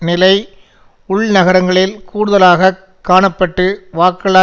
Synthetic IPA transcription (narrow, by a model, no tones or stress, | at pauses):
nɪlɐɪ | ʊɭnɐɣɐɾɐŋɡɐɭɪlkuːɽɯðɐlaːɣɐ | kːaːɳɐpːɐʈːɯʋaːkɐɭaː